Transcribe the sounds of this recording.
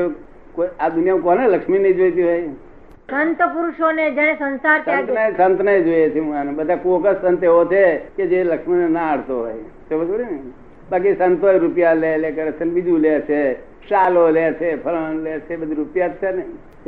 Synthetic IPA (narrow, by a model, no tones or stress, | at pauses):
e | koad̪ʊnijamũkoneləkʂminəĩd͡ʒojt̪iɦoj | sənt̪əpʊɾʊʃoned͡ʒəɽ̃esənsaɾt̪ãt̪nəsə̃nt̪nəid͡ʒojet͡ʃʰemuanebəd̪ʱakoːkəssənt̪eot͡ʃʰeked͡ʒeləkʃminenaaɽ̤t̪oɦo̰e | sebəd͡ʒoɽinəĩ | baːk̬isənt̪ɦojɾupjalelekəɾet͡ʃʰenbid͡ʒ̪ʱulet͡ʃʰe | saːlolet͡ʃʰepʰələ̃let͡ʃʰebəd̪ʱiɾupjat̪senəĩ